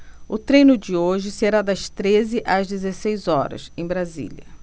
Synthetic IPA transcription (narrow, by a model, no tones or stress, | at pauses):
ʊt̪ɾẽjnʊd͡ʒɪoʒɪseɾad̪ɐst̪ɾezɪʔɐzd͡ʒ̪ɪzesejzɔɾɐ̰sẽj̃bɾazḭlɐ̰